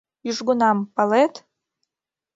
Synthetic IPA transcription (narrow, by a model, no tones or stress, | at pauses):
yʒɡunɑmpɑlet̪